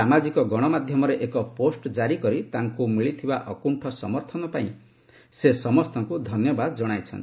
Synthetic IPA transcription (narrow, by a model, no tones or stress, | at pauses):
amad͡ʒikɔɡɔɽ̃ɔmad̪ʱjɔmɔɾeʔekɔposʈd͡ʒaɾikɔɾit̪aŋkumiɭit̪ʰibaʔɔkuɳʈʰɔsɔmɔɾt̪ʰɔnɔpaĩ | sesɔmɔst̪ɔŋkud̪ʱɔnjɔbad̪ɔd͡ʒɔɽ̃ajt͡ʃʰɔ̰nt̪